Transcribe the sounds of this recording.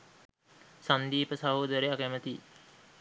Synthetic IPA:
sand̪iːpəsaɦoːd̪əɾeakæmət̪i

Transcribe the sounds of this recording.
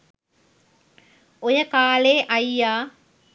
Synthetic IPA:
ojɐkaːleːʔɐjːaː

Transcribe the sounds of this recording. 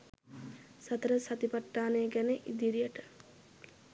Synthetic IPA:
sat̪əɾəsat̪ipaʈːaːneɡæneʔid̪iɾijəʈə

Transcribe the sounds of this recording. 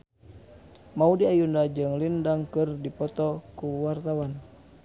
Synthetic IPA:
maudiajundad͡ʒɨŋlindaŋkɨrdipɔt̪ɔkuwart̪awan

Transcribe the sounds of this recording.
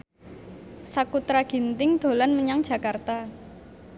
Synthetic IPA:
sakut̪ɾaɡ̥i̤nt̪ɪŋd̪̥o̤lanməɲaŋd̥ʒ̥a̤kart̪a

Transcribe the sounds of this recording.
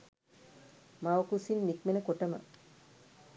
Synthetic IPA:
maʋkusinmikmenəkoʈəmə̰

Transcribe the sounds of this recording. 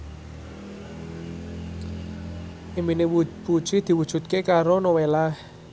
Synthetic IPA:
ʔiminepu̥ʒ̥id̪̥i̤wud̥ʒ̥ṳt̪̚kekaɾonowelah

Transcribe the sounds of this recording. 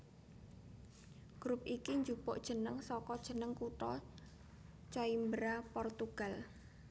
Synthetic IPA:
ɡ̥ɾupikiɲd͡ʒupoʔd̥ʒ̥ə̤nəŋsɔkɔd̥ʒ̥ə̤nəŋkuʈɔ | t͡ʃɔimbɾapɔrt̪uɡ̥al

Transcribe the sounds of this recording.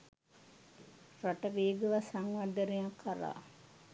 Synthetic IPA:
raʈəʋeːɡəʋasaŋʋad̪əɾejakʰːaɾa̰ː

